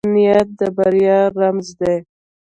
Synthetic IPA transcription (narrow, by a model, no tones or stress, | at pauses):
nijat̪̚d̪əbaɾjɑːamzd̪e